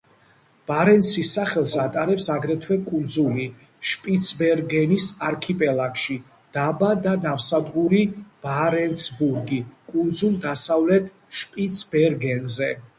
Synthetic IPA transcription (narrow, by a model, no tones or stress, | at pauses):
b̥aɾɛnsisaχɛlˠsat̪ʼaɾɛpsaɡɾɛt̪ʰwɛkʼund̪zuli | ʃpʼit̪sʰbɛɾɡɛnisaɾkʰipʼɛlˠakʃi | d̪̥abad̪anafsad̪ʁuɾib̥aɾɛnsbuɾɡikʼund̪zulˠd̪asavlɛt̪ʰ | ʃpʼit̪sʰbɛɾɡɛnzɛ